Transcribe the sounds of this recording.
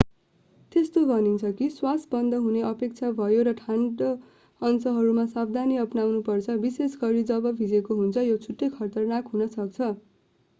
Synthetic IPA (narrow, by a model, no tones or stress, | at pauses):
t̪est̪obʱʌnint͡sʰʌkiswasbʌnd̪ʱʌɦuneʔʌpek̚t͡sʰabʱʌjoɾʌʈʰaɳɖʌ | ʌnsʌɦʌɾumasabd̪ʱaniʌpnawnupʌrt͡sʰʌbisesɡʌɾid͡zʌbʌbʱid͡zekoɦunt͡sʰʌjot͡sʰuʈːejkʰʌrt̪ʌrnakɦunʌsʌk̚t͡sʰʌ